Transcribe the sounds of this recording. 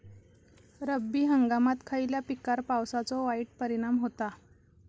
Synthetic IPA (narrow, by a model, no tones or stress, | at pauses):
ɾəbːiːɦəŋɡamat̪kʰailjapikaɾpawsat͡sɔʋaiːʈ̚pəɾiɽ̃amɦot̪a